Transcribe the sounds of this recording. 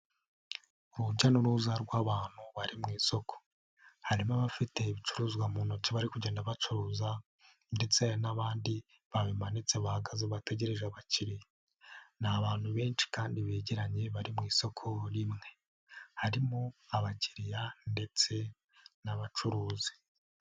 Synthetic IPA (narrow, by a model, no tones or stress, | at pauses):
uɾuɟanuɾuzaɾɡwaβaːn̥huβaɾimŋiːso̞kʰo̥ | haɾimaβafite̞βit͡ʃuɾuːzɡwamuːnot͡siβaɾikuɟe̞ːndaβat͡ʃuɾuːza | nde̞t͡senaβaːndi | βaβimanit͡seβahaɡazeβate̞ɟe̞ɾeʒaβaciɾija | naβaːnhuβe̞ːnt͡ʃi̥kaːndiβeːɟeɾaɲe̞βaɾimŋiːso̞kʰo̞ɾimŋe̞ | haɾimoaβaciɾijande̞t͡se̞ | naβat͡ʃuɾuːzḁ